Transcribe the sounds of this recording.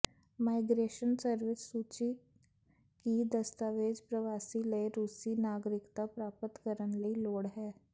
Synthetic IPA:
maːɪɡɾeːʃənsəɾʋɪssuːt͡ʃi | kid̪ɐst̪aːʋeːd͡ʒpɾəʋaːsileɾuːsinaːɡɾɪkt̪apɾaːpət̪kəɾənləiloːɽɦɛː

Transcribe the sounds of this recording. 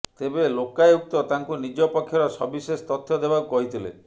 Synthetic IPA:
t̪ebelokajuk̚t̪ɔt̪aŋkunid͡ʒɔpɔkʰːjɔɾɔsɔ̰bisest̪ɔt̪ʰːjɔd̪ebakɔɦit̪ʰilḛ

